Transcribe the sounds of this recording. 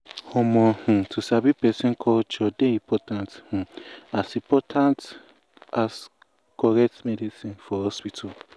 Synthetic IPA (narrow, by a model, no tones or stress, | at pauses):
hɔmɔ̃hũtʰusabipɛsĩnkʰɔt͡ʃɔdeĩpʰɔtãnthũasĩpɔtʰãnt | as | kɔɾɛk̚tmɛdisĩnfɔhɔspitʰu